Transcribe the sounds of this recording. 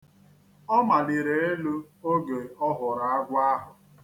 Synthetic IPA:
ɔ˦ma˨ni˨ɾe˨e˦lu˦ | o˦ɡe˨ɔ˦ɦʊ˨ɾa˨a˦ɡʷa˦ɦʊ˨

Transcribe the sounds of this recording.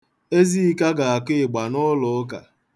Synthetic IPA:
e˦zi˦i˦ka˦ɡa˨a˨kɪ˦˨ɡ͡ba˨nʊ˦lʊ˨˦ka̰˨

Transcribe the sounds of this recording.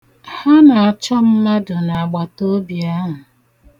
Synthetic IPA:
ha˦na˨a˨t͡ʃɔ˦m̩˦ma˦dʊ˨na˨a˨ɡ͡ba˨to˦bja˦ɦʊ˨

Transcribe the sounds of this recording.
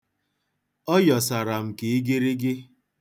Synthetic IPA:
ɔ˦jɔ˨sa˨ɾa˨m̩˨ke˨i˦ɡɪ˦ɾi˦ɡɪ˦

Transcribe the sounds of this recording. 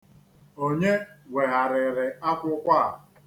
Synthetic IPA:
o˦ɲe˦we˨ɣa˨ɾɪ˨ɾɪ˨a˦kʷʊ˦kʷa˦˨

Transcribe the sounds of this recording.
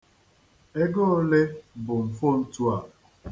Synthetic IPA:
e˦ɡo˦le˦bʊ˨m̩˨fo˦n̩˦tu˦a˨

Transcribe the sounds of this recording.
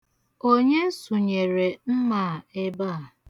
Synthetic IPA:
o˦ɲe˦su˨ɲe˨ɾe˨m̩˦maː˨e˦ba˦a˨

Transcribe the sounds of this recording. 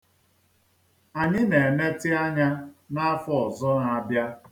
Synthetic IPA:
a˨ɲɪ˦ne˨ne˦tɪ˦a˦ɲa˦na˦a˦fɔ˦˨zʊ˦na˨bja˦

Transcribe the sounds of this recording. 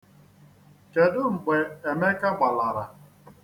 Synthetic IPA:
ke˨dʊ˦ŋ͡m̩˨ɡ͡be˨e˨me˦ka˦ɡ͡ba˨la˨ɾa˨

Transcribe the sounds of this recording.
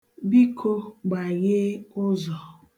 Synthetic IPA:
bi˦kʰo˦ɡ͡ba˨ɣɪ˦ʊ˦zɔ˨

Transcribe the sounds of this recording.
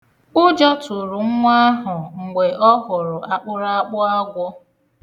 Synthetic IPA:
ʊ˦d͡ʒɔ˦tʊ˨ɾʊ˨ŋ̩˦ŋʷa˦ɦʊ˨ŋ̩˨ɡ͡be˨ʔɔ˦ɦʊ˨ɾʊ˨a˨k͡pʊ˦ɾa˦a˦k͡pʊ˦a˦ɡʷʊ˦

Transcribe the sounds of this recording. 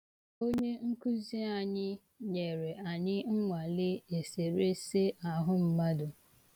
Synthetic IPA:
o˦ɲe˦ŋ̩˦ku˦zi˦a˨ɲɪ˦ | ɲe˨ɾe˨ʔa˨ɲɪ˦ŋ̩˦ŋʷa˨lɪ˦e˨se˨ɾe˦se˦ʔa˨ɦʊ˦m̩˦ma˦dʊ˨

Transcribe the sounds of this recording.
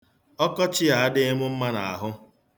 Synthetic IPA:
ɔ˦kɔ˦t͡ʃɪ˦a˨a˦dɪ˦ɪ˦mʊ˦m̩˦ma˦na̰˨a̰˨ɦʊ˦

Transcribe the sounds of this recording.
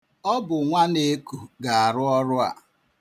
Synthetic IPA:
ɔ˦bʊ˨ŋʷa˦ne˦ku˨ɡa˨a˨ɾʊ˦ɔ˦ɾʊ˦a̰˨

